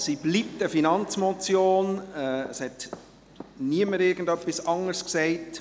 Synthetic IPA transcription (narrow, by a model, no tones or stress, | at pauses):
siblip̚təfinɑnt͡smɔt͡sjoːnɛəshɛt | niəməɾɪɾɡən̩dœpːisɑŋəɾsksɛɪt